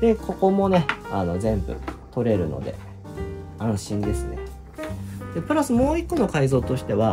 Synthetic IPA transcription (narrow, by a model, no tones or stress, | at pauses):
d̪e̞kʰo̞ko̞mo̞ne̞ano̞zẽ̞mbɯ̟̰t̪o̞ɾe̞ɾɯ̟no̞̰d̪e̞̰ | ãɰ̃ɕĩnd̪e̞sɨne̞ | d̪̥e̞pɯ̟ɾasɨmo̞ːikːo̞no̞kaizo̞ːt̪o̞ɕi̥t̪e̞βa